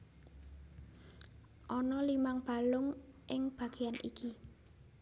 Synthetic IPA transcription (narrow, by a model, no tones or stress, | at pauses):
ʔɔnɔlimaŋb̥a̤lʊŋʔɪŋb̥ä̤ɡ̥e̤anʔḭkʰi